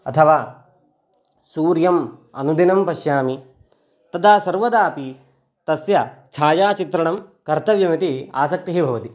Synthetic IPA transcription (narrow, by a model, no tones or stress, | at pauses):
ɐ̰t̪ʰɐʋaː | suːɾjɐmɐ̰nud̪inɐmpɐʃjaːmi | t̪ɐd̪aːsɐɾʋɐd̪aːpi | t̪ɐsjɐt͡ʃʰaːjaːt͡ʃit̪ɾɐɳɐmkɐɾt̪ɐʋjɐmit̪ia̰ːsɐk̚t̪iɦibʱɐʋɐt̪i